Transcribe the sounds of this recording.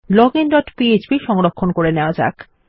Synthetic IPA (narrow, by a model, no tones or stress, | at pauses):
lɔɡenɖɔʈpiet͡ɕbiʃɔŋɾokʰːonkoɾeneoad͡ʑa̰k